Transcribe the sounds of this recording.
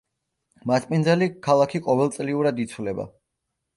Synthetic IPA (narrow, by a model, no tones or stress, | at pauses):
masʼpʼinzalikʰalˠakʰiqʼɔvɛlˠt̪sʼliuɾad̪it̪sʰwlɛba̰